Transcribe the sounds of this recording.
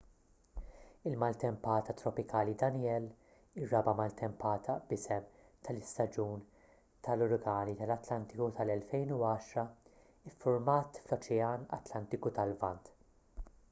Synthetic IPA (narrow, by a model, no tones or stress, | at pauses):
ɪlmɐlt̪ɛmpɐːt̪ɐt̪ɾɔpɪkɐːlid̪ɐnɪjɛl | ɪrːɐbɐmɐlt̪ɛmpɐːt̪ʰɐb̥ɪsɛm | t̪ɐlɪst̪ɐd͡ʒuːn | t̪ɐlʊɾɡɐːnit̪ɐlɐt̪lɐnt̪ɪkut̪ɐlɛlfɛjnuɐːʃɾɐ | ɪfːʊɾmɐːt̪flɔt͡ʃɛɐːnɐ̰t̪lɐnt̪ɪkut̪ɐlvɐnt̪